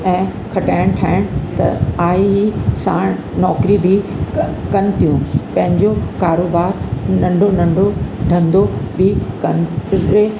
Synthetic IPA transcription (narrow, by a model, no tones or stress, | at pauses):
ɛ̃ː | kʰɐʈaːɪɽ̃ʈʰaːɪɽ̃t̪ɐ̰aːiɦisa̰ːɽ̃ | nɔːkɾibʱɪ | kɐnɪ̆t̪ijũpɐ̃ɦɪ̃ɲd͡ʑokaːɾoːbaːɾnɐ̃ɳɖʱonɐ̃ɳɖʱod̪ʱɐ̃nd̪obʱɪkɐnɪe